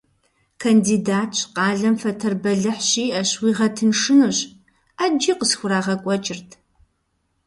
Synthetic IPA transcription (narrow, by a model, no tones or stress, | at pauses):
kʰɐndiːdaːtʰɕqɑːɮɐmfɐtʰɐrbɐɮɨħɕiːɐɕwiːʁɐtʰɨnʂɨnuɕ | ad͡ʒiːqəsxʷʊɾaːʁɐkʷʼɔt͡ʃʼɪrtʰ